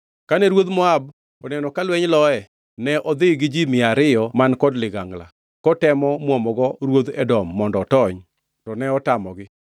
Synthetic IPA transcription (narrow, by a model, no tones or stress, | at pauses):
kanɛɾwod̪mɔab̚ | ɔnɛnɔkalwɛɲlɔɛ | nɛʔɔd̪ɪɡɪd͡ʒimɪaɾɪjɔmankɔdlɪɡaŋɡla̰ | kɔtɛmɔmɔmɔɡɔɾwod̪ɛdɔmːɔndɔːtɔɲ | tɔnɛɔtamɔɡɪ